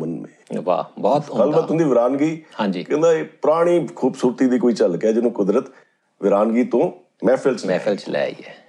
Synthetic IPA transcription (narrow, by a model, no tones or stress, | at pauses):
mənmḛ̃ːʋa̰ːbɔːt̪ɡəlbaːʊ̃ːd̪iːʋɪɾaːnɡiːhãːɲd͡ʒiːkɛ̃ːd̪aːeːpʊɾaːɽ̃iːkʰuːbsuːɾt̪iːd̪iːkoːiːt͡ʃəlkɛːd͡ʒɪnõːkʊd̪ɾət̪ | ʋɪɾaːnɡiːt̪õː | mɛːpʰɪlt͡ʃɛːɪlt͡ʃlɛ̰ːḭːɛː